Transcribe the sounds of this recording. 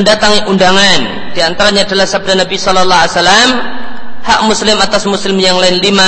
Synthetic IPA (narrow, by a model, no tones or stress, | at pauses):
əndat̪aŋiʔundaŋan | d̥iant̪aɾaɲaːdalahsab̚danabisɔlɔlːaasalamhaʔmuslɪmat̪asmuslɪmjaŋlaɪnlima